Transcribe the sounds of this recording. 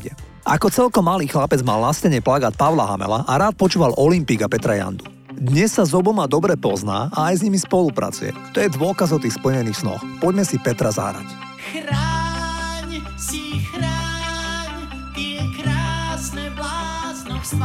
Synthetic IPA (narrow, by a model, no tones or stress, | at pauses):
ɛ | ʔa̰kɔt͡sɛlkɔmːaliːxlapɛd͡zmalnascɛɲɛplaɡaːt̪̚paʋʊlaɦa̰mɛ̰laʔaɾaːt̪̚pɔt͡ʃuːʋalɔlimpiːɡapɛt̪ɾaja̰nd̪u | d̪ɲɛsːazɔbɔmad̪ɔbɾɛpɔzna̰ːʔaːjzɲimispɔlupɾa̰t͡sujɛ̰t̪ɔjɛd̪ʋʊɔkazɔʊt̪iːxspl̩ɲɛniːxsnɔ̰xpɔɟmɛsipɛt̪ɾaza̰ɾa̰c | xɾa | ɲ | sixɾa | ɲ | t̪kɾaːsnɛlas